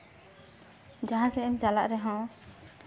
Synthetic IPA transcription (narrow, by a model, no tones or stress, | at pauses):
d͡ʒaɦãsɛɛmd͡ʒalaʔɾɛɦɔ̃